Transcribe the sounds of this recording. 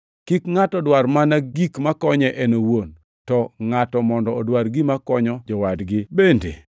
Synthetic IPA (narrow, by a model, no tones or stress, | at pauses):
kikŋatɔdwaɾmanaɡikmakɔɲɛʔɛnowon | tɔŋatɔmɔndɔːdwaɾɡimakɔɲɔd͡ʒɔwadɡɪbendḛ